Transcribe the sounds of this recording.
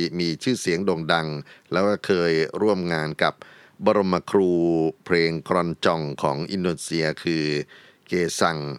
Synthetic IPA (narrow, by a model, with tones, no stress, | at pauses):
miː˧t͡ɕʰɯː˥˩si˩˦əŋdoː˧ŋda˧ŋlɛː˦˥wkaː˥˩kʰɤː˧jɾu˥˩əmŋaː˧nka˨˩p̚ | bɔ˧ɾo˧mːa˧kʰɾuːpʰɾeː˧ŋkʰɾɔ˧nt͡ɕɔ˧ŋkʰɔ̰ː˩˦ŋʔi˧ndoː˧nsi˧ɐkʰɯː˧ | keː˧sa˧˩ŋ